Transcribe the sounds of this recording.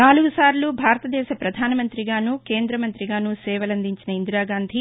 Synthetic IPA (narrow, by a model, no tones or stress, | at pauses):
naːluɡusaːɾlubʱaːɾɐt̪ɐd̪ɛːʃɐpɾɐd̪ʱaːnɐmɐnt̪ɾiɡaːnuke̞ːnd̪ɾɐmɐnt̪ɾiɡaːnusɛːʋɐlɐnd̪iɲt͡ʃinɐind̪ɾaːɡaːnd̪ʱi